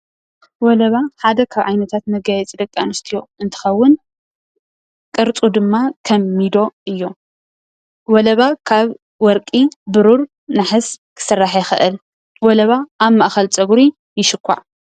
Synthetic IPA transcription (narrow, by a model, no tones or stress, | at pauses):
wɔlɐβaħad̪ɐkʰaβʕajnɐt̪ʰat̪mɐɡajɛt͡sʼid̪ɐkʼːanɨst̪ʰijo̞ɨnt̪ʰɨ̥xɐwːʊn | kʼɨɾt͡sʼud̪ɨmːakʰɐmːid̪o̞ɨjːo̞ | wɔlɐβakʰaβ | wɔɾkʼibɨɾuɾ | naħɨzkʰɨ̥sɨrːaħjɛxɨ̰ʔɨl | wɔlɐβaʔːβmaʔxɐlt͡sʼɐɡɾi | jɪʃɨkʰʷːa̰ʕ